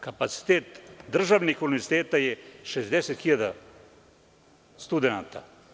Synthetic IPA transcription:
kapat̪si̥t̪eːt̪d̪r̩ʒaʋnixuniʋeɾzi̥t̪eːt̪ajeʃezd̪eset̪xiʎad̪a | st̪ud̪enaːt̪a̰

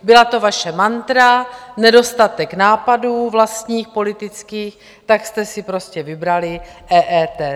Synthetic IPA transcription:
bɪlat̪o̞vaʃɛmant̪ɾanɛdo̞st̪at̪ɛknaːpaduːvlast̪ɲiːxpo̞lɪt̪ɪt͡skiːx | t̪akst̪ɛsɪpɾo̞scɛvɪbɾalɪʔɛːʔɛːt̪ɛ

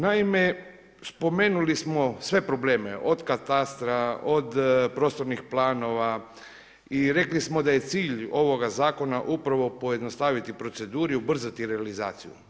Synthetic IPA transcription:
naime̞ | spo̞me̞ːnulismo̞sʋe̞pɾo̞ble̞ːme̞ʔo̞d̪kat̪ast̪ɾaod̪pɾo̞st̪o̞ɾnixplaːno̞ʋa | iɾe̞klismo̞d̪aje̞t̪siːʎo̞ʋo̞ɡazaːko̞naʔupɾaʋo̞po̞je̞d̪no̞st̪aːʋit̪ipɾo̞t̪se̞d̪uːɾiubr̩zat̪iɾealiza̰ːt̪sijṵ

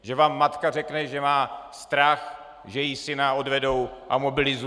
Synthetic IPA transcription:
ʒɛvaːmːat̪kar̝ɛknɛʒɛmaːst̪ɾax | ʒɛjisɪnao̞dvɛdo̞wʔamo̞bɪlɪzu

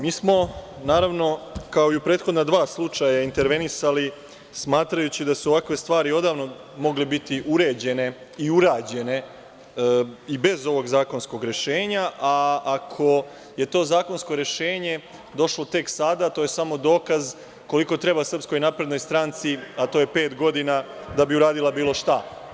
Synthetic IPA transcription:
miːsmo̞ | naːɾaʋno̞kao̞iupɾeːt̪xod̪nad̪ʋaːslˠut͡ʂajaint̪eɾʋe̞nisali | smaːt̪ɾajut͡ɕid̪asuoʋakʋe̞st̪ʋaːɾio̞d̪aːʋno̞ | mo̞ɡlebit̪iʔuɾe̞ːd͡ʑe̞ne̞ | iuɾaːd͡ʑe̞ne̞ | ibe̞zo̞ʋo̞ɡzaːko̞nsko̞ɡɾe̞ʃe̞ːɲaʔaːkʰo̞ | je̞t̪o̞ːzaːko̞nsko̞ɾe̞ʃeːɲe̞ | d̪o̞ʃlo̞t̪e̞ksad̪at̪ojesamo̞d̪o̞ːkaz | ko̞liko̞t̪ɾe̞basr̩psko̞jnapɾe̞d̪no̞jst̪ɾaːnt̪siat̪o̞ːje̞pe̞ːt̪ɡo̞d̪inad̪abiuɾaːd̪ilˠabiːlo̞ʃt̪a

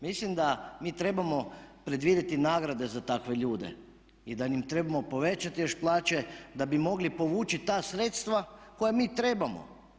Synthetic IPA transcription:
mislimd̪amiːt̪ɾe̞bamo̞pɾe̞d̪ʋid̪jet̪inaːɡɾad̪e̞zat̪akʋe̞ʎuːd̪e̞̰ | id̪animt̪ɾe̞bamo̞po̞ʋe̞t͡ʃat̪ijoʃplˠaːt͡ʃe̞d̪abimo̞ɡlipo̞ʋuːt͡ʃit̪aːsɾeːt̪st̪ʋako̞jamiːt̪ɾe̞ːbamo̰

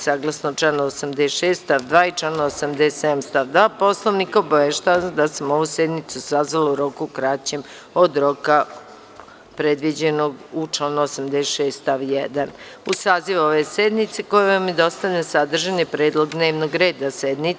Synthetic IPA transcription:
saːɡlˠasnot͡ʃaːnosamd̪eʃeːsst̪aʋd̪ʋaːit͡ʃlaːnosamd̪esed̪amst̪aʋd̪ʋaːpo̞slˠoʋnikobaʋeʃt̪aʋad̪asamo̞ʋused̪nit̪susazʋalouɾo̞kukɾat͡ɕem | o̞d̪ɾo̞ka | pɾe̞d̪ʋid͡ʑenoɡut͡ʃlaːnuosamd̪esʃeːst̪t̪aʋjed̪an | usaːziʋo̞ʋe̞sed̪nit̪seko̞jeʋamid̪o̞st̪anesad̪r̩ʒanipɾeːd̪lˠo̞ɡd̪ne̞ːʋnoɡɾe̞ːd̪ased̪ni

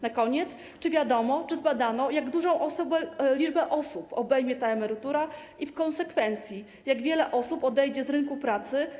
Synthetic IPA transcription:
nakɔɲɛt̪s | t͡ʂɘvʲjad̪ɔmɔt͡ʂɘzbad̪anɔjaɡd̪uʐɔ̃w̃ʔɔsɔbɛlʲid͡ʐbɛʔɔsupɔbɛjmʲjɛt̪aɛmɛɾɘt̪uɾa | ifkɔ̃nsɛkfɛnt̪sʲji | jaɡvʲjɛlɛʔɔsupɔd̪ɛjd͡ʑɛzɾɘŋkupɾat̪sɘ

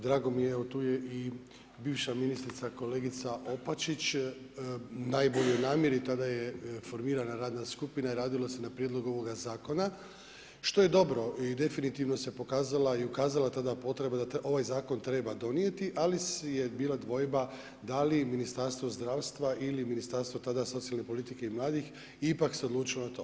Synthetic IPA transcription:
d̪ɾaːɡo̞mijeeot̪uːjei | biːʋʃaminist̪ɾit̪sako̞leːɡit̪saʔo̞pat͡ʃit͡ɕ | najbo̞ʎojnaːmje̞ɾit̪ad̪ajefo̞ɾmiːɾanaɾaːd̪naskupinaiɾaːd̪ilase̞napɾjed̪lˠo̞ɡo̞ʋo̞ɡazaːko̞na | ʃt̪o̞je̞d̪o̞bɾo̞id̪e̞finit̪iʋno̞se̞po̞kaːzalaiukaːzalat̪ad̪apo̞t̪ɾe̞bad̪aʔo̞ʋajzaːko̞nt̪ɾe̞bad̪o̞nije̞t̪iʔalisjebiːlˠad̪ʋo̞jba | d̪aliminist̪aɾst̪ʋozd̪ɾaːʋst̪ʋaʔiliminist̪aɾst̪ʋo̞t̪ad̪aso̞t̪sialˠnepo̞lit̪ike̞imlˠaːd̪ix | ipakseo̞d̪luːt͡ʃilonat̪o̞ː

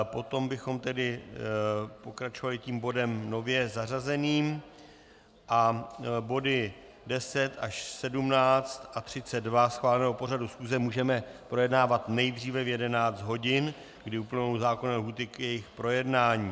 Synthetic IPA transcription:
po̞t̪o̞mbɪxo̞mt̪ɛdɪ | po̞kɾat͡ʃovalɪciːmbo̞dɛmno̞vjɛzarazɛniːm | ʔabo̞dɪ | dɛsɛt̪ʔaʃsɛdumnaːt͡st̪ʔat̪r̝̥ɪt͡sɛddvasxvaːlɛnɛːɦopo̞ɾadusxuːzɛmuːʒɛmɛpɾo̞jɛdnaːvat̪nɛjd̪r̝iːvɛvjɛdɛnaːt͡st̪ɦo̞ɟɪn | ɡdɪupl̩nowzaːko̞nalɦuːt̪ɪkjɛjɪxpɾo̞jɛdnaːɲiː

